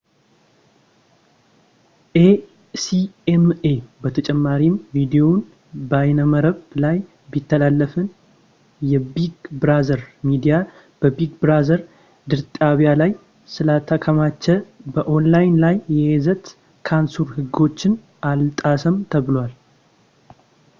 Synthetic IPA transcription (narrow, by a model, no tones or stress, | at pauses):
ʔe | siemebət̪ʰət͡ʃʼɛmːaɾimvid̪ijon | bajnəməɾəblaj | bit̪ʰːəlalːəfɨn | jɛbiɡbɨɾazəɾmid̪ija | b̥əbiɡbɾazəɾ | d̪ɨɾt̪ʼaβijalaj | sɨlat̪ʰakʰəmat͡ʃːɛbəʔo̞nlajnlajːɛezət̪ | kʰansuɾhɨɡo̞t͡ʃːɪn | ʔalt̪ʼasəmt̪ʰəβɨlwal